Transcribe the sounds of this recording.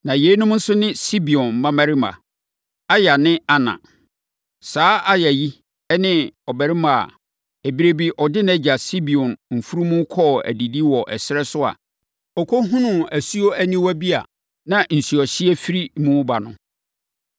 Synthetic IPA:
nã˨je˨˦nʊ̃˦m˦n̩˦sʊ˦nɪ̃˦si˦bi˨ɔ̃˨n̩˨mã˦mæ̃˦ɾi˦mã̰˨ | a˦ja˨nɪ̃˦a˨nã̰˨ | saː˨˦ʔa˦jɛ˨ji˦ | ɛ˦nɪ̃˦ɔ˨bæ˨ɾi˦mã˨a̰˨ | e˨bi˨ɾe˦bi˦ʔɔ˨dɪ˦ñɛ˦d͡ʑa˨si˦bi˨ɔ̃˨nm̩˨fu˦ɾu˦mũ˦kʰɔ˦˨æ̰˨di˨di˦wɔ˨ʔɛ̰˨sɪ˦ɾɛ˦sʊ˦a̰˨ | ɔ˨kʰo˦ɦũ˦nʊ̃˦˨æ˨su˦o˦æ˦nĩ˦wæ˦bi˦a̰˨ | nã˨n̩˨su˨ɔ˨ɕi˦e˦fi˦ɾi˦mũ˦ba˨nʊ̃˨

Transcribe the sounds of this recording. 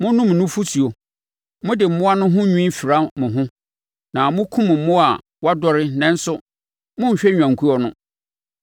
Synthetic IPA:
mʊ̃˦nʊ̃˦m˨nʊ̃˦fu˦sʰi˨o˨ | mʊ̃˦dɪ˨m̩˨mʊ̃˦a˦nʊ̃˦ɦʊ̃˦ɲᶣũ˦fi˨ɾa˦mʊ̃˨ɦʊ̃˦ | nã˨mʊ̃˦kʰũ˦m˨m̩˦mʊ̃˦a˨ | wa˦dɔ˦ɾɪ˦nɛ̃˦n̩˦sʊ˦ | mʊ̃˦m̩˨ɕᶣɛ˦ɲᶣ˨ã˨ŋ˨kʰu˦ɔ˨nʊ̃˦

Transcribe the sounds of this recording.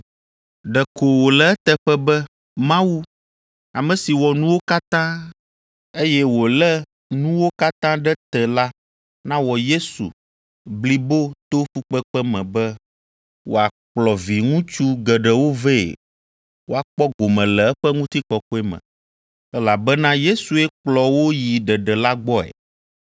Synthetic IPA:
ɖɛ˨ko˨wo˨lɛ˨ɛ˦t̪ɛ˦ɸɛ˦bɛ˦ | mã˦wu˦ | a˨mɛ̃˨si˨wɔ˨nũ˦wo˦ka˦t̪ã˦ | e˦jɛ˦wo˨lɛ˦ | nũ˦wo˦ka˦t̪ã˦ɖɛ˦t̪ɛ˨la˦ | nã˦wɔ˨je˦sṵ˨ | bli˨bo˦t̪o˦ɸu˦k͡pɛ˦k͡pɛ˦mɛ̃˨bɛ˦ | wo˦a˨k͡plɔ˨vi˨ŋũ˦t͡ʃu˦ɡɛ˨ɖɛ˨wo˦vɛ˦˨ḛ˨ | wo˦a˨k͡pɔ˦ɡo˨mɛ̃˨lɛ˨ɛ˦ɸɛ˦ŋũ˦t̪i˦kɔ˨kɔ˦ɛ˦mɛ̰̃˨ | ɛ˦la˨bɛ˦nã˦je˦su˨ɛ˦k͡plɔ˨wo˦ji˨ɖɛ˨ɖɛ˨la˦ɡ͡bɔ˦ɛ̰˨

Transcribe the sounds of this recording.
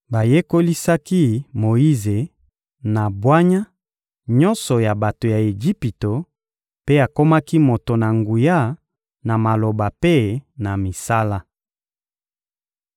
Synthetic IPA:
ba˨je˦ko˦li˦sa˦ki˦mo˨ji˦ze˨ | na˨bwa˦ɲa˦ | ɲɔ̃˦nsɔ˨ja˨ba˨to˨ja˨e˨ʒi˦pi˨to˨ | pe˦a˨ko˦ma˦ki˦mo˨to˨na˨ŋɡu˨ja˦ | na˨ma˨lo˨ba˨pe˦na˨mi˨sa˦la˦

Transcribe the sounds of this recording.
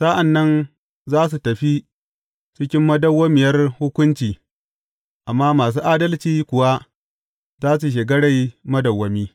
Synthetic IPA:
sa˦ʔa˨nːɐ˦n | zaː˦s̬u˨tɐ˨ɸi˦ | t͡ʃɪ˦kʲɪ˦mːɐ˦dɐ˦wːɐ˦mɪ˨jɐ˦rhʊ˦kʷʊ˦nt͡ʃiː˨ | ʔa˨mːaː˦maː˨s̬uː˦ʔaː˦dɐ˦lt͡ʃiː˦kʷʊ˨wa˦ | zaː˦s̬u˨ʃ̬ɪ˨ɡɐ˦ɽa˨jmɐ˦dɐ˨wːɐ˦miː˦

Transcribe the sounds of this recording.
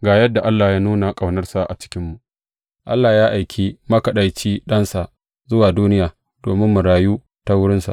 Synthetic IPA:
ɡaː˨jɐ˦dːa˨ʔa˦lːaː˨jaː˦nuː˦na˨kʼa˨wnɐ˦rsa˨ʔa̰˨t͡ʃɪ̥˦kʲɪ˦mːu˨ʔ | ʔa˦lːaː˨jaː˦ʔa˨jkʲʰiː˦mɐ˦kɐ˨ɗa˨jt͡ʃiː˦ɗɐ˦nsa˨ʔ | zʊ˦waː˨duː˦nɪ˦jaː˨ | doː˨mɪ˦mːʊ˨ɽaː˨juː˦ | ta˦wʊ˦ɽɪ˦nsa̰˨ʔ

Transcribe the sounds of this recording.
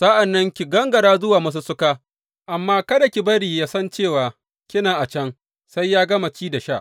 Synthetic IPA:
sɐ˦ʔa˨nːɐ˦ŋkʲi˨ɡɐ˦ŋɡɐ˨ɽaː˦zʊ˦waː˨mɐ˦s̬u˦sʊ˦kaː˦ | ʔa˨mːaː˦kɐ˦da˨kʲi˨bɐ˦ɽiː˨jaː˦sɐ˦nt͡ʃeː˦˨waː˨ | kʲɪ˦naː˨ʔa˨t͡ʃɐ˦ŋ | sa˦jːaː˦ɡɐ˦ma˨t͡ʃiː˦da˨ʃaː˦˨ʔ

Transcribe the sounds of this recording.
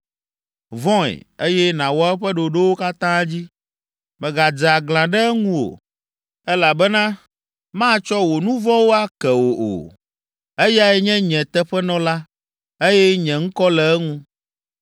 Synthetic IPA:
vɔ̃˦ɛ̰˨e˦jɛ˦nã˨wɔ˦ɛ˦ɸɛ˦ɖo˨ɖe˦wo˦ka˦t̪ã˦d͡ʑi˦ | mɛ̃˨ɡa˨d͡za˨ɡlã˨ɖɛ˦ŋũ˦wo̰˨ | ɛ˦la˨bɛ˦nã˦ | mã˦t͡ʃɔ˦wo˨nũ˦vɔ̃˦wo˦a˦kɛ˨wo˨ʔo̰˨ | e˦ja˦ɛ˦ɲɛ̃˦ɲɛ̃˨t̪ɛ˦ɸɛ˦nɔ̃˦la˦ | e˦jɛ˦ɲɛ̃˨ŋ̩˦kɔ˦lɛ˨ɛ˦ŋũ˦

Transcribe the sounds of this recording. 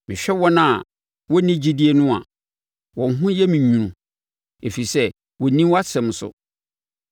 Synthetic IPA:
mɪ̃˨ɕᶣɛ˦wɔ̃˦nã˦˨ | wɔ˦nĩ˦d͡ʑi˦di˦e˦nʊ̃˦a̰˨ | wɔ̃˨n˦ɦʊ̃˦jɛ˦mĩ˨ɲũ˨ɾũ˨ | e˨fi˨i˨sɛ˦ | wɔ˨nĩ˦wa˦sɛ̃˨m˨˦sʊ̰˨

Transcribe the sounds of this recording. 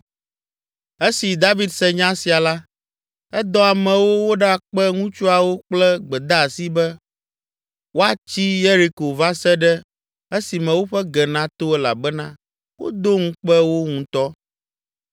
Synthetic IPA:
e˦si˨d̪a˦vi˦d̪sɛ˦ɲã˦si˨a˨la˦ | ɛ˦d̪ɔ˦a˨mɛ̃˨wo˦wo˦ɖɛ˦a˨k͡pɛ˦ŋũ˦t͡ʃu˦a˨wo˦k͡plɛ˦ɡ͡bɛ˨d̪a˦˨si˦bɛ˦ | wo˦a˨t͡ɕi˦je˦ɾi˨ko˨va˦sɛ˦ɖɛ˦ | e˦si˨mɛ̃˨wo˦ɸɛ˦ɡɛ˨nã˦t̪o˦ɛ˦la̰˨bɛ˦nã˦ | wo̰˦d̪o˦ŋũ˦k͡pɛ˦wo˦ŋũ˨t̪ɔ˦

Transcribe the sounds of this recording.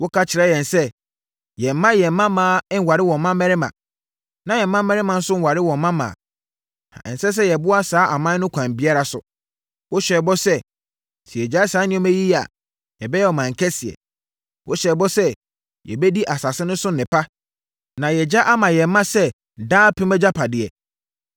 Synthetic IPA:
wɔ˦kʰa˦t͡ɕʰɪ˨ɾɛ˦jɛ̃˨nsɛ˦ | jɛ˨m˦mã˦jɛ˨m̩˦mã˦mãː˨˦n˦wa˨ɾɪ˦wɔ̃˨m˦mã˦mɛ̃˦ɾɪ˦mã̰˨ | nã˨jɛ˨m˦mã˦mɛ̃˦ɾɪ˦mã˨n̩˦sʊ˦n̩˦wa˨ɾɪ˦wɔ̃˨m˦mã˦mã̰ː˨ | a˨ɛ̰̃˨n˨sɛ˦s̬ɛ˦jɛ˨bʊ˦a˦saː˨˦ʔa˨mã˦nʊ̃˦kʷʰã˨m˨bɪ˦a˦ɾa˨sʊ̰˨ | wɔ˦ɕᶣɛ˨bɔ˦sɛ˦ | si˨ɛ˨d͡ʑa˦saː˨˦nɪ̃˦mæ˦ji˦a̰˨ | jɛ˨bɛ˦jɛ˦ɔ˨mã˨ŋ̩˨kʰɛ˦sɪ˨ɛ̰˨ | wʔɔ˦ɕɛ˨bɔ˦sɛ˦ | jɛ̰˨bɛ˦di˦ʔa˨sa˨sɪ˦nʊ̃˦sʊ̃˦n˨ɪ̃˨pa˦ | nã˨jɛ˨d͡ʑa˦ʔa˦mã˨jɛ˨m˦mã˦sɛ˦˨ | daː˦pʰɪ̃˦mɛ˦d͡ʑa˦pʰa˨dɪ˨ɛ̰˨

